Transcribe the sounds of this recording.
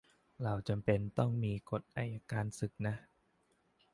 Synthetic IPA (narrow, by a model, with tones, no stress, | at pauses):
ɾa˧wt͡ɕa˧mpe˧nt̪ɔ˥˩ŋmiː˧ko˨˩t̪̚ʔa˧jʔa˧kaː˧nsɯ˨˩k̚na˦˥ʔ